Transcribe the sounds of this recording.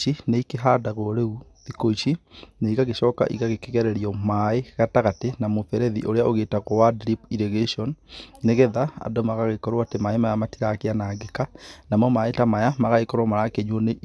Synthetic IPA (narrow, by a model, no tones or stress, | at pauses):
ineikeɦadaɣoɾeu | ðikoiʃineiɣaɣeʃɔːka̰ʔḭɣaɣekɛɣɛɾɛɾiɔmaeɣataɣatenamofɛɾɛðḭʔoɾeaoɣeːtaɣowadɾipiɾeɣeʃiɔnːeɣɛðaa̰domaɣaɣekɔɾwatemaemajamatiɾakeanaːɡekanamɔmaetamajamaɣaɣekɔɾwamaɾakeɲwone